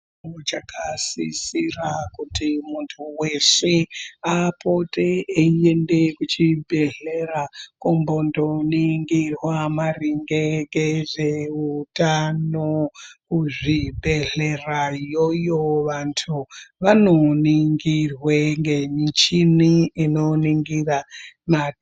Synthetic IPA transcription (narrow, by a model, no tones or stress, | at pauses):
ot͡ʃakʰasḭsirakutimuntʰuwe̞seapo̞teeiende̞kut͡ʃibʱe̞ɮe̞rakombo̞ndo̞niŋɡirwamariŋɡeɡeʐe̞utanokuʐibʱe̞ɮe̞rajojoʋantʰuʋano̞niŋɡirweŋɡe̞mit͡ʃiniino̞niŋɡirama